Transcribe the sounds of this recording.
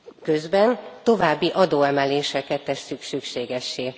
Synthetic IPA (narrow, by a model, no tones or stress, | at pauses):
kø̞zbɛnt̪o̞vaːbːiʔɒd̪oːɛmɛleːʃɛkɛt̪ːɛsyksykʃeːɡɛʃːeː